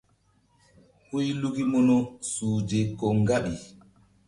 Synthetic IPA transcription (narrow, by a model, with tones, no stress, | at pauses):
ho˦jluki˦mɔ˦nɔ˦suː˨d͡ʒe˨kːɔ˨ŋɡa˦ɓi˨